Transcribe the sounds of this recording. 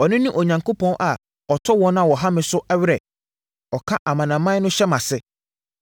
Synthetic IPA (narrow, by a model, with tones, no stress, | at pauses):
ɔ˨nɪ̃˦nĩ˦ʔɔ˨ɲã˨ŋko˦pʰɔ̃˦nʔa˨ | ɔ˨tʰɔ˦wɔ̃˦ñ˦a˨wɔ˨ɦã˦mɪ̃˨sʊ˦ʔɛ˦ɥɾɛ˨ | ɔ˨kʰa˦ʔa˨mã˨nã˨mã˦nʊ̃˦ɕɛ˦mã˨sɪ˦